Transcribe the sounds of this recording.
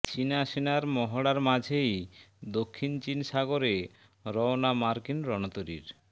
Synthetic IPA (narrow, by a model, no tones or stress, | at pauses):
t͡ɕinaʃinaɾmɔɦoɽaɾmad͡ʑʱejd̪okʰːint͡ɕinʃaɡoɾe | ɾɔonamaɾkinɾɔnot̪oɾḭɾ